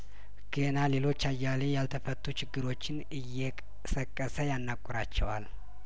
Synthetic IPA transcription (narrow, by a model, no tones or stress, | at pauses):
ɡ̥enale̞lo̞t͡ʃːajːalejalt̪ʰəfət̪ːut͡ʃɪɡːɨɾo̞t͡ʃːɪn | ɨjːɛkʼ | səkʼːəsəjanːakʼːʊɾat͡ʃːɛ̰wa̰l